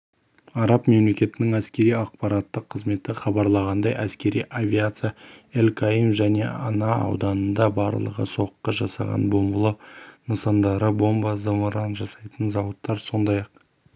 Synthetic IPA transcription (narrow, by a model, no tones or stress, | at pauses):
ɑɾɑpme̞mle̞kʲe̞t̪ɪnɪŋæskʲe̞ɾijɑqpɑɾɑt̪ːəqʰːəzme̞t̪ɪχɑbɑɾlˠɑʁɑnd̪ɑjʔæskʲe̞ɾḭjʔavʲiat̪sɨjaelkʰaimʒæne̞ɑnɑɑ̰wd̪ɑnənd̪ɑbɑɾlˠə̰ʁə̰so̞qːəʒɑsɑ̰ʁɑ̰nbo̞mbəlˠənəsɑnd̪ɑɾəbo̞mbɑzəməɾɑnʒɑsɑjt̪ənzɑwət̪ːɑɾso̞nd̪ɑjɑq